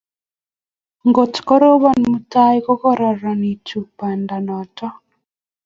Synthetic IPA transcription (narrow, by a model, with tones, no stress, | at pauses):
ŋɡo˨tkɔ˦ɾo˦βɔ˨nmu˦ta˦jkɔ˦kɔ˦ɾɔ˨ɾɔ˨ni˨tu˨pa˨nda˨nɔ˨tɔ˦